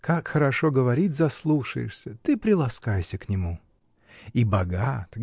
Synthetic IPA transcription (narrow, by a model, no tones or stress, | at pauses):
kakxəɾɐʂoɡəvɐɾʲitʲzɐslˠuʂə̰jɪ̰ʂsʲət̪ɨpɾʲɪlˠɐskajsʲəknʲɪmu | ibɐɡat̪